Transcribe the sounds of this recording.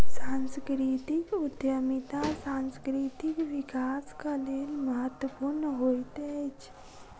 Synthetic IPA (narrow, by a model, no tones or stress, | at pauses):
sãnskɾit̪ikʊd̪jəmit̪asãnskɾit̪ikʋikaːskaleːlməɦət̪wəpuːɾnəɦoit̪et͡ʃ